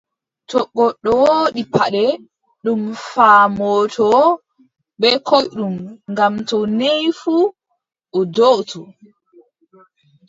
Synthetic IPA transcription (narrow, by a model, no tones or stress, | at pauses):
tɔɡːɔɗːɔwoːɗipaɗɛ | ɗumfaːmɔːtʰɔ | bɛkɔjɗumŋɡamtɔnejfu | ʔɔdotu